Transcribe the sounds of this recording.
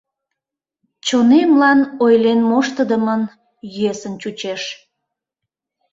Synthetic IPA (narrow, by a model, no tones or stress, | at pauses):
t͡ɕonemlɑnojlenmoʃt̪əd̪əmən | jyesənt͡ɕut͡ɕeʃ